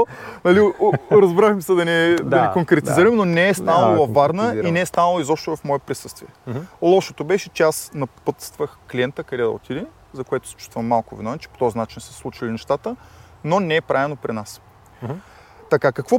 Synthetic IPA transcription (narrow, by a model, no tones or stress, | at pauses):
nɐliɾɐzbɾaxmisɛd̪ɐnɛd̪ɐnɛkoŋkɾɛt̪iziɾəmnonɛɛst̪anəllˠɐvaɾnəinɛɛst̪anəlˠoizɔpʃt̪ovɐfmɔɛpɾisɤst̪viɛlˠɔʃot̪obɛʃɛt͡ʃɛasnɐpɤt̪st̪vəxklʲiɛnt̪əkɐd̪ɛd̪ɐ̰o̰t̪ʰid̪ɛ | zɐkoɛt̪ʊ̥sɛ̥t͡ʃu̥st̪vəmmːalˠkovɛnoɛt͡ʃɛ̥po̥t̪ɔzinat͡ʃinsəslˠut͡ʃilinɛʃt̪at̪ə | nonɛɛpɾavɛlnopɾinas | t̪ɐkakɐkvɔ